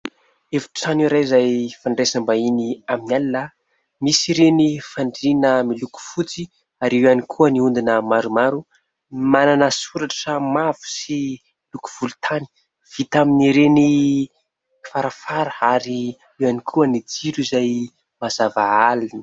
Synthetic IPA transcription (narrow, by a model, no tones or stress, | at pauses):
evu̥t͡sanuiɾajizajfaɳɖ͡ʐesambainiaminalila | misiɾenifaɳɖ͡ʐinəmiluku̥fut͡si | aɾewanikʰuəniund̪inəmaɾumaɾu | mananəsuɾaʈ͡ʂʈ͡ʂamavu̥si | iluku̥v̥ulu̥t̪ʰani̥ | v̥it̪aminiɾeni | faɾafaɾəaɾi | ewanikʰuənid͡ziɾuizaj | mazavaalini̥